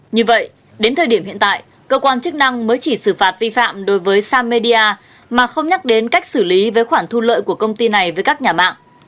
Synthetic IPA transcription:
ɲɨ˧və̰˧˨j | ɗe˨˦nt̪ʰəː˨˩ɗi˧˩əmhḭ˧˨ənt̪a̰ː˧˨j | kəː˧kwaː˧nt͡ɕɨ˦˥k̚na˧ŋməː˨˦jt͡ɕi˧˩sɨ˧˩faː˨˩t̚vi˧fa̰ː˧˨mɗo˨˦jvəː˨˦jsaː˧me˧ɗi˧aː˧ | maː˨˩xə˧wŋ͡mɲa˦˥k̚ɗe˨˦nka˦˥jk̟̚sɨ˧˩li˨˦vəː˨˦jxwaː˧˩ŋt̪ʰu˧lə̰ː˧˨jku˧˩əkə˧wŋ͡mt̪i˧na˨˩jvəː˨˦jkaː˦˥k̚ɲaː˨˩ma̰ː˧˨ŋʔ

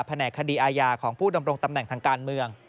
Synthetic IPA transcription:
pʰːa˧nɛː˨˩kʰːa˧diː˧ʔaː˧jaː˧kʰɔː˩˦ŋpʰuː˥˩da˧mɾo˧ŋt̪a˧mnɛ˨˩ŋt̪ʰaː˧ŋkaː˧nmɯ˧əŋ

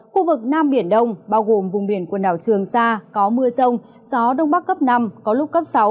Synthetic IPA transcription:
xu˧vɨ˨˩k̚naː˧mɓi˧˩ənɗə˧wŋ͡mɓaː˧wɣo˨˩mvʊ˨˩ŋ͡mɓi˧˩ənkwu˨˩ənɗa̰ː˧˩wt͡ɕɨ˨˩əŋsaː˧kɔ˨˦mɨ˧əsə˧wŋ͡m | zɔ˨˦ɗə˧wŋ͡mɓa˦˥kːə˦˥p̚na˧mkɔ˨˦lʊ˦˥k͡p̚kə˦˥p̚sa˨˦w

